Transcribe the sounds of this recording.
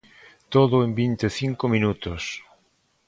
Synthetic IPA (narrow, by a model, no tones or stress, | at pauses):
t̪oðʊembint̪eθiŋkomĩnut̪os